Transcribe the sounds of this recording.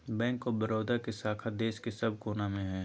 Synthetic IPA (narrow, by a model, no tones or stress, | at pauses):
bɛ̃ːŋkobɐɾoːd̪akesaːkʰad̪eːʃkesɐb̚ʱkoːnamẽɦɛː